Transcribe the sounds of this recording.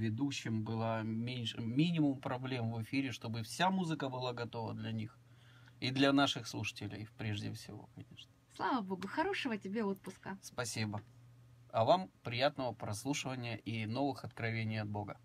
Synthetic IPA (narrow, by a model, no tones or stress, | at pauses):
vʲɪd̪uɕːɪmbɨlˠəmʲenʲʂɨmʲinʲɪmʊmpɾɐblʲe̞mvɨfʲiɾʲɪʂt̪o̞bɨfsʲamuzɨkəbɨlˠaɡɐt̪o̞və̰d̪lʲɐnʲix | id̪lʲɐnaʂɨxslˠuʂə̥tʲɪlʲɪ̰pɾʲeʐdʲɪ̰fsʲɪ̰vo̞̰kɐnʲḛʂnəslˠavəbo̞ɡʊxɐɾo̞ʂəvətʲɪbʲeot̪̚pʊskəspɐsʲibə | ɐvampɾʲɪjat̪nəvəpɾɐslˠuʂɨvənʲɪjəʔino̞vɨxɐt̪kɾɐvʲenʲɪjɐd̪bo̞ɡə